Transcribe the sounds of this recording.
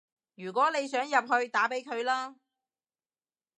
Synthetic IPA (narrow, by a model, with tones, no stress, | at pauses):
jyː˨˩k̬ʷɔː˨˥ne˨˧jsœː˨˥ŋjɐ˨p̚ɦɵ˧ɥt̪aː˨˥pe˨˥jkʰɵ˨˧ɥlaː˥